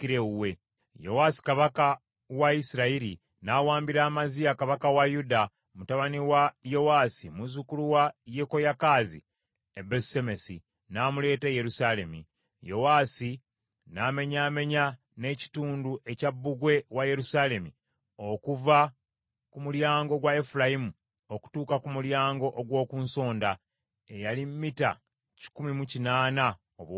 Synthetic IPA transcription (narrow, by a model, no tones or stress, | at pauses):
kiɾeuwe̞ | jo̞̰wasi̥kaβaka | waisiɾaiɾi | nawaːmbiɾaːmazijakaβakawajuda | mutaβaniwajo̞waːsimuzukuluwajeko̞jakaːzḭ | ebesemesḭ | namule̞ːteje̞ɾusale̞mḭ | jo̞waːsi | naːme̞ɲaːme̞ɲa | ne̞ːci̥tuːnduʔe̞cabːuɡwe̞waje̞ɾusaːle̞mi | o̞kuva | kumuljaːŋɡo̞ɡwaefulajimu | oku̥tuːkakumuljaːŋɡo̞ʔoɡwo̞ːkuːnso̞ːnda | e̞jalimːita̰ | ci̥kumimucinaːna | oβ